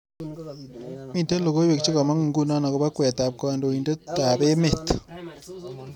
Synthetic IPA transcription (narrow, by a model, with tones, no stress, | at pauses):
mi˨te˦lo˨ɣo˦we˨k̚t͡ʃi˦ka˨ma˦ŋ˨ŋɡu˦na˦na˨ko˨ba˦kwɛ˨ta˨p̚ka˨ndo˨i˨nde˦ta˨be˦mɪ˨t